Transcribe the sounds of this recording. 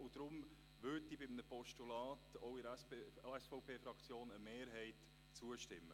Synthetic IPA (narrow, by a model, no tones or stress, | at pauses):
ʊd̥ɾʊm | ʋʏtibɪmnəpɔʃtulɑːtoʊɪɾɛspeɛsfɔʊpʰeːfɾɑkt͡sjoːnəmeːɾɦɛɪt | t͡suəʃtɪmːə